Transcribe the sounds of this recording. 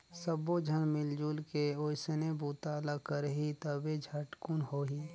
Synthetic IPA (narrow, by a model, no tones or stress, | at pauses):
səbod͡ʒʱənmɪld͡ʒuːlkeoɪsənebuːt̪aːləkəɾɦit̪əbed͡ʒʱəʈkunɦoːɦiː